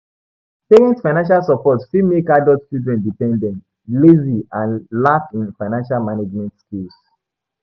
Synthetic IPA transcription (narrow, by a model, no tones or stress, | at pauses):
seɛ̃ntfaɪnãnʃ̬alsɔpɔtfimekadɔtt͡ʃildɹɛ̃ndipɛ̃ndɛ̃nt | leziãnlafĩnfaɪnãnʃalmaned͡ʒmɛ̃ntskils